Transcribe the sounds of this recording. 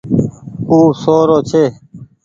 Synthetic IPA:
uːsoːɾoːt͡ɕʰeː

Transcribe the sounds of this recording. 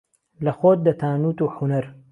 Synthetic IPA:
lɐxoːt̪̚d̪ɐt̪ʰaːnuːt̪uːħunɐɾ

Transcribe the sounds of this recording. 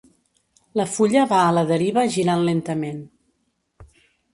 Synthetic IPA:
ləfuʎəβaələðəɾiβəʒiɾanlent̪əmen

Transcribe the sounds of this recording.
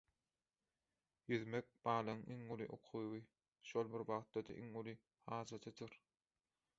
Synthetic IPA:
jyðmek̚bɑːlˠɑŋʔiŋulˠiʔo̰qʰujwɯ | ʃolˠbiɾwɑʁt̪ːɑd̪ɑ̰ʔiŋulˠi | hɑːd͡ʒɑt̪ʰɯd̪ɯɾ

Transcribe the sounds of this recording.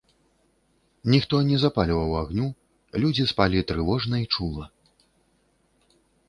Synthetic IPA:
nʲixt̪ɔnʲɛzapalʲivɐwaɣnʲu | lʲud͡zʲispalʲit̪ɾɨvɔʐnɐit͡ʂulˠɐ

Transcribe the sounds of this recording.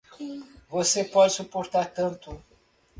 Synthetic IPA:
vosepɔd͡ʒɪsupoɾt̪aɾt̪ɐ̃nt̪ʊ

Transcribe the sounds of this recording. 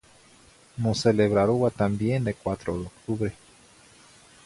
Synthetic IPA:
moseleβɾaɾuat̪ambjend̪ekwat̪ɾoðeokt̪uβɾe

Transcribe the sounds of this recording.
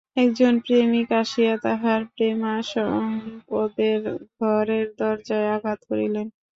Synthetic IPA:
ɛkd͡ʑonpɾemikaʃijat̪aɦaɾpɾemaʃɔ | od̪eɾɡʱɔɾeɾd̪ɔɾd͡ʑaeaɡʱat̪koɾḭlen

